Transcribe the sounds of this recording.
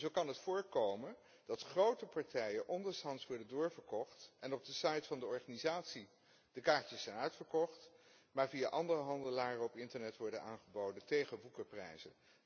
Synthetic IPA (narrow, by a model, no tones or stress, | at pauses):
zowkɑnɦətfʊːɹkowmən | d̥ɑtχrowtəpɑɹtɛjənʔɔndəɹsɑnsʋɔɹdəndʊːɹvəɹkɔχtɛnɔb̚dəsɑjtfɑndəɔɹχaːnizaːtsi | d̥əkaːɹcəsːɛjnœɥtfəɹkɔχt | maːɹviaʔɑndərəɦɑndəlaːrəɔpɪntəɹnɛtʋɔɹdənaːnχəbowdəntejχəʋukəprɛ̰jzə̰n